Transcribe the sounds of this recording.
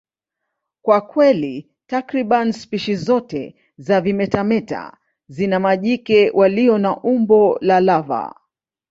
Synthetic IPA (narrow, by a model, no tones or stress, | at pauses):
kwakwɛli | takɾiɓanspiʃizɔtɛ̰ | zavimɛtamɛta̰ | zinamaʄikɛwʔaliɔnaʔumbɔlalava̰